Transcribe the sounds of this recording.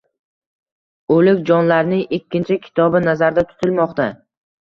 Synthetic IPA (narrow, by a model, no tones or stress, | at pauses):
olɪkʲd͡ʒɒnlaɾnɪŋɪkʲːɪnt͡ʃʰɪkʲʰɪ̥t̪ʰɒbɪnazaɾd̪at̪ʰʊ̥t̪ʰɪlmɒqt̪a